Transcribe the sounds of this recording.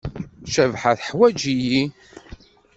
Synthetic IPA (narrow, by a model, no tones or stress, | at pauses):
ʃævħaθħwæd͡ʒiji